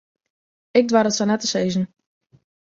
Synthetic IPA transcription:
ɪk̚dwaɾətsanɛtəsejzən̩

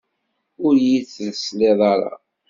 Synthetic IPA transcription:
ʊɾjiθləsleðˤɑɾˤɑ̰

